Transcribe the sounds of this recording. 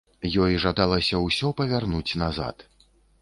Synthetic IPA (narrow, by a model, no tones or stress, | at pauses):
jɔjʐad̪alˠɐsʲɐwsʲɔpɐvʲarnut͡sʲnaza̰t̪